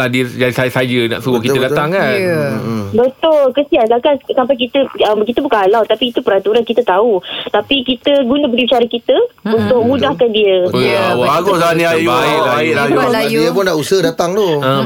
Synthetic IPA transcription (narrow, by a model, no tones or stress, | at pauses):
adid͡ʒaisasad͡ʒənã̰ʔsubokitt̪ədatt̪aŋkan | bət̪ʊlkəsiansakansampajk̬it̪əəmkit̪əbukaalawt̪apiːt̪upəɾant̪uɾankit̪ət̪aut̪apikit̪əɡunəbəɡibit͡ʃaɾəkit̪əpənt̪ʊʔ̚mudahkandiəəawaaɡosanĩajuaailajajuəpʊndaʔusəhdat̪aŋt̪oə̃